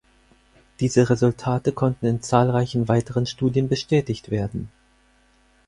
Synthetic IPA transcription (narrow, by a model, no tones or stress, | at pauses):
d̥iːzəʁezʊltʰaːtəkʰɔntn̩ɪnt͡saːlʁaɪçn̩vaɪtəʁənʃtuːdjənbəʃtʰɛːtɪçtv̥eːɐdn̩